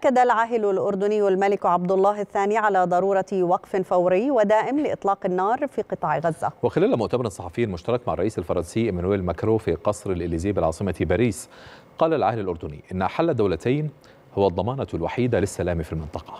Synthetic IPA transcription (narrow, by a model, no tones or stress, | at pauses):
ʔaʔkːad̪alʕaɦlʊlʔʊɾd̪ʊnɪjːalmalɪkʕab̚d̪ʊlˤːɑːɦɪθːaːniʕalaːd̪ˤɑɾˤuːɾˤɑwɑqfɪfawɾɪjːwɪd̪aːʔɪmlɪʔɪt̪ˤlɑːqɪnːɑːɾˤfiːqɨt̪ˤɑːʕɣazːawɪxɪlæːlmʊʔt̪abɑɾˤɑnsˤːɑħɑfɪjːnɪlmʊʃt̪ɑɾˤɑkmaʕɑrˤɑʔiːsalfɑɾˤɑnsɪjːʔɪmænuʔelmakɾoːfiqɑsˤɾɪlʔɪlːiːzɪjːbɪlʕɑ̰ːsˤɨmabæːɾiːsqɑːlalʕa̰hlɪlʔʊɾˤd̪ʊnḭːʔɪnːħalːad̪ːawlæt̪ʰajn | hʊwːad̪ˤːɑmɑːnɑlwaħiːd̪alɪsːælaːmfilmɪnt̪ˤɑqɑ̥